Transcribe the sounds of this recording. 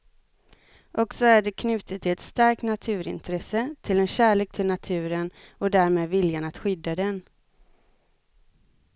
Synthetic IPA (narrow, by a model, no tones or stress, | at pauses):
ʔɔksɔæɖɛkʰnʉ̟ːt̪ət̪ʰːɪlɛt̪st̪aɾk̚t̪nat̪ʰʉ̟ːɾɪ̰nt̪ʰɾɛsət̪ʰɪlɛnɕæːɭeːk̚t̪ʰɪlnat̪ʰʉ̟ːɾənɔd̪æːɾmeːd̪vɪljanat̪ɧʏd̪ːad̪ɛn